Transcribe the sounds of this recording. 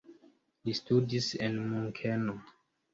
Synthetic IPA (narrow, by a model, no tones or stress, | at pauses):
listudisenmuŋkʰeno